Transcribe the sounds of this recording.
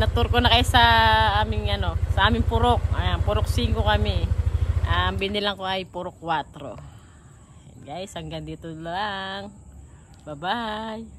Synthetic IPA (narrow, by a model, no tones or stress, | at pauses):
nɐt̪uɾkonɐkɐjasɐʔaːmɪŋɐno̞sɐʔaːmɪŋpʊɾok̚pʊɾok̚siŋkokɐmɛʔaŋbinɪlɐŋkoɐjpʊɾokːwat̪ɾo̞̰ | ɡajsɐŋɡɐnd̪iːt̪olaŋ | bɐbaj